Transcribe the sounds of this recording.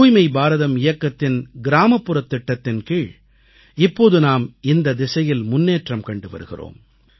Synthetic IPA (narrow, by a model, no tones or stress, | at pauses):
uːjmɐɪbaːɾɐðɐmɪjɐkːɐt̪ːɪnɡɪɾaːmɐpːɯɾɐt̪ːɪʈːɐt̪ːɪnkiːɭ | ɪpːoːðɯnaːmɪnd̪ɐd̪ɪsɐjɪlmʊnːeːʈrɐmkɐɳɖɯʋɐ̰ɾɯɣɪ̰ro̰ːm